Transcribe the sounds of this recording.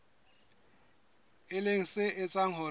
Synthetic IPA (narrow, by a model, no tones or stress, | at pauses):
ɪleŋ̩sɪɪt͡sʼaŋ̩ɦʊ